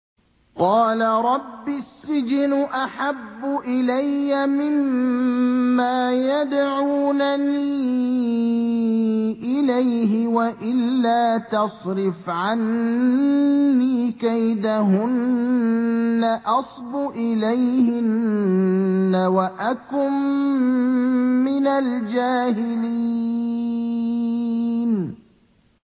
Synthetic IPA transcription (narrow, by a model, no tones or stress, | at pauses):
qɑːlaɾˤɑbːɪsːɪd͡ʒnʔaħabːʊʔɪlajːamɪmː | aːjad̪ʕuːnaniː | ʔɪlajɦɪwaʔɪlːaːt̪ɑsˤɾɪfʕan | iːkajd̪aɦʊn | aʔɑsˤbʊʔɪlajhɪn | awaʔakʊm | ɪnald͡ʒaːɦɪlii | n